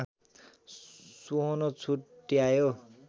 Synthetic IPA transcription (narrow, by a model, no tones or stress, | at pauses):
suɦonʌt͡sʰuʈːijajo